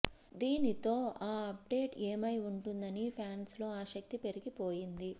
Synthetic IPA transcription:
d̪iːnit̪o̞ːaːɐp̚ɖe̞ːʈeːmɐjuɳʈund̪ɐnipʰaːnslo̞ːaːʃɐk̚t̪ipe̞ɾiɡipo̞ːjind̪i

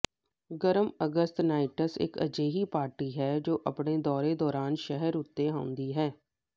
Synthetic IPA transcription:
ɡəɾəməɡəst̪naːɪʈəsɪ̰kə̰d͡ʒeːɦiːpaːɾʈiːɦɛːd͡ʒoːʔə̰pɳeːd̪ɔːɾeːd̪ɔːɾaːnʃɛɦəɾʊt̪ːeːɦãːʊ̃nd̪iːɦɛː

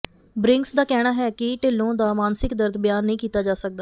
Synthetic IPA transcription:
bɾɪŋksd̪aːkɛːɽ̃aːɦɛːkɪʈelːõːd̪aːmaːnsɪkd̪əɾd̪bɪjaːnːĩːkiːt̪aːd͡ʒaːsək̚d̪aː

